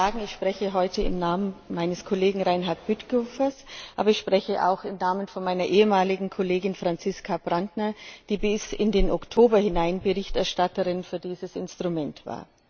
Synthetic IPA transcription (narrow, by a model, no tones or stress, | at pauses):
aːɡŋ̩ɪçʃpʁ̥ɛçəɦɔʏtʰəɪ̰mnaːmənmaɪnəskʰɔleːɡŋ̩ʁaɪnɦaɐt̚b̥ytɡ̥ofɐsʔaːbɐɪçʃpʁ̥ɛçəʔa̰ʊxɪmnaːmənfɔnmaɪnɐʔeːəmaːlɪɡŋ̩kʰɔleːɡɪnfʁ̥ant͡sɪskʰabʁantnɐd̥iːbɪsɪndeːnɔktʰoːbɐhɪnaɪnbəʁɪçtɛɐʃtatəʁɪnfyːɐdiːzəsɪ̰nstʁ̥umɛntv̥a̰ːɐ